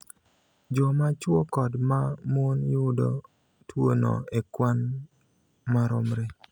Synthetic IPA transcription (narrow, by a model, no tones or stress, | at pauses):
d͡ʒɔmat͡ʃwokɔdmamuonjʊdo | twono̰ekwan | maɾɔmɾe